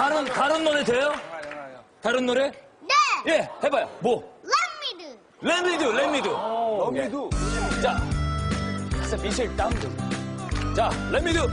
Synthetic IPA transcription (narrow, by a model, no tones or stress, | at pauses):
aɾɯntaɾɯnːoɾetejo | t̪aɾɯnːoɾenejehebajomoemid | lemid̪ɯlemːidu | t͡ɕa | samiɕʰiɭt͈adɯ | t͡ɕalemid̪ɯ